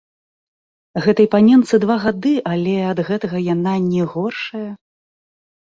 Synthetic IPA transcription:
ɣɛt̪ɐjpanʲɛnt̪sɨd̪vaɣad̪ɨʔalʲɛɐd̪ɣɛt̪ɐɣɐjan̪anʲɛɣɔrʂɐjɐ

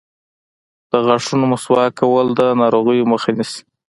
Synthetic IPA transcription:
d̪̥əɣaʂunomʊswɑkawəld̪ənɑɾoɣəjoməxanisi̥

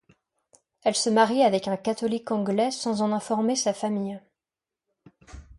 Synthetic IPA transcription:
ɛlsəmaʁjɛavɛkɛ̃kat̪ɔlikɑ̃ɡlɛsɑ̃zɑ̃nɛ̃fɔʁmesafamij

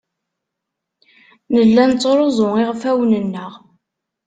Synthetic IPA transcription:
nəlːænt͡sːɾˤozˤoiʁfæwnənːəʁ

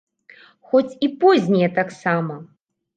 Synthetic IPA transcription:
xɔt͡sʲipɔzʲnʲɛjɛt̪aksamɐ

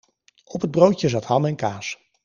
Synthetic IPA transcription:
ɔpɦəd̚browjəzɑtɦɑnɛnkaːs

